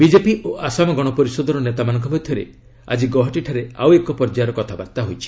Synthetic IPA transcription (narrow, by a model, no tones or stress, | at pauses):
bid͡ʒepiʔoʔasamɔɡɔɽ̃ɔpɔɾisɔd̪ʱɔɾɔnet̪amanɔŋkɔbɔd̪ʱʰjɔɾḛ | a̰d͡ʒiɡɔɦɔʈiʈʰaɾea̰wekɔpɔɾd͡ʒaɾɔkɔt̪ʰabaɾt̪aɦojt͡ʃʰi̥